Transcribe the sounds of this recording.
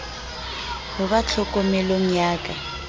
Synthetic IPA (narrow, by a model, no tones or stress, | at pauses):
hʊβat͡ɬʰɔkʼɔmɛloŋ̩ɲjaːkʼa